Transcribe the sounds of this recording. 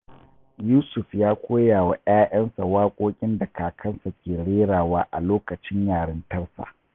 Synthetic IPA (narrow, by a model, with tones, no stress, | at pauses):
juː˦sʊ˨fjaː˦kʷoː˦jaː˨wa˨ʔj̰aː˦jɐ˦nsa˨waː˦kʷʼoː˦kʲʼɪ˦nda˨kʰaː˨kʰɐ˦nsa˨kʲʰeː˨ɽeː˦ɽaː˨waː˦ʔa˨loː˦kɐ˨t͡ʃɪ˦ɲjaː˨ɽɐ˦ntɐ˦rsa̰˨ʔ